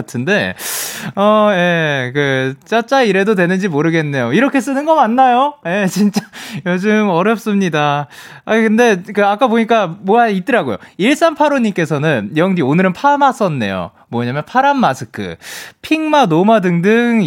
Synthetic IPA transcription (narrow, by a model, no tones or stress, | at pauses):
tʰɯnde̞ | ʌje̞kɯt͡ɕ͈at͡ɕ͈aiɾe̞dodwe̞nɯnd͡ʑimoɾɯɡe̞nːe̞joiɾʌkʰe̞s͈ɯnɯnɡʌmanːajoje̞t͡ɕint͡ɕ͈ajod͡ʑɯmʌɾjʌp̚s͈ɯmɲida | akɯnde̞kɯak͈apoɲik͈amoait̚t͈ɯɾaɡojo̰iɭs͈anpʰaɾoɲimk͈e̞sʰʌnɯnjʌŋdionɯɾɯnpʰamas͈ʌnːe̞̰jo̰ | mʌɲamjʌnpʰaɾammasʰɯkʰɯ̰pʰiŋmanomadɯŋdɯŋ